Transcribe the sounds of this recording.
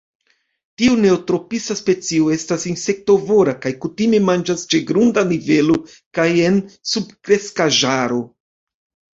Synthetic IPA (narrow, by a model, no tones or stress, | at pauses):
tiune̞otɾo̞pisaspe̞t͡sio̞e̞stasinse̞k̚to̞vo̞ɾakajkutime̞mand͡ʒast͡ʃe̞ɡɾundanive̞lo | kaje̞nsub̚kɾe̞skaʒaɾo̞